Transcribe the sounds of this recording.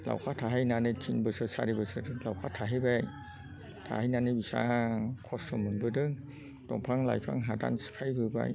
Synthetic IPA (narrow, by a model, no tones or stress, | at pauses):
la̰wkʰaːt̪ʰaːɦajnanatʰinbəsəsaɾebəsətlawkʰaːt̪ʰaːɦajbaj | t̪ʰa̰hajnanajbisa̰ːkʰɔsomːɯnbədɯŋ | t̪ɔŋpʰɾaŋla̰ːjpʰɾa̰ŋɦaːda̰nskʰajbɯba̰j